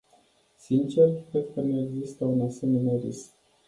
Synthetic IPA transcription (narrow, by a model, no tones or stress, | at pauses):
sint͡ʃe̞rkɾe̞d̪̚kənue̞ɡzist̪əunase̞me̞nerisk